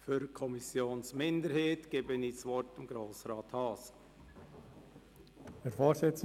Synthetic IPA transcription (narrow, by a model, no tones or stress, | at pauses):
fyɾkʰɔmɪsjoːnsmɪndəɾheːtɡ̥eːbəniːsʋɔɾtɪmɡ̥ɾoːsɾɑːthɑːs | ɛɾfɔːɾsɪt͡s